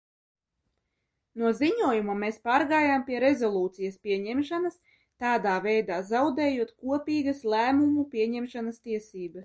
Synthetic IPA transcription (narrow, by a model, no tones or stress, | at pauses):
nuɔziɲuɔjumameːspaːɾɡaːjampʲiɛɾezɔlˠuːt̪sijɐspʲiɛɲɛmʃanɐs | t̪aːd̪aːvɛjd̪aːzawd̪ɛːjuɔt̪kuɔpʲiːɡɐslˠæːmumupʲiɛɲɛmʃanɐst̪iɛsiːbɐs